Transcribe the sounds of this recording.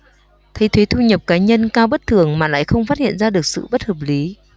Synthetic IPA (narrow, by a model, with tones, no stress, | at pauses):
t̪ʰə˨˦jt̪ʰwe˨˦t̪ʰu˧ɲə˨˩p̚kaː˨˦ɲə˧nkaː˧wɓə˦˥t̚t̪ʰɨ˨˩əŋmaː˨˩la̰ː˧˨jxə˧wŋ͡mfaː˦˥t̚hḭ˧˨ənzaː˧ɗɨ˨˩ək̚sɨ̰˧˨ɓə˦˥t̚həː˨˩p̚li˨˦